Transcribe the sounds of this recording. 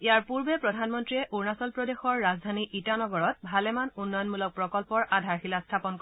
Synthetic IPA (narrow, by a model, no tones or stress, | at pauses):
ijaɹpuɹbɛpɹɔdʱanmɔntɹiɛʔuɹnasɔlpɹɔdexɔɹːazdʱaniʔitanɔɡɔɹɔt̚bʱalɛmanunːɔjɔnmulɔk̚pɹɔkɔlpɔɹadʱaɹxilastʰapɔnkɔ